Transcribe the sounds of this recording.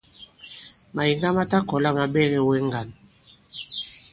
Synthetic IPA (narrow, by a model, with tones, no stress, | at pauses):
ma˨ji˨ŋɡa˦ma˦ta˦kɔ˨la˦ma˨bɛ˦ɣɛ˦wɛ˦ŋɡa˨n˨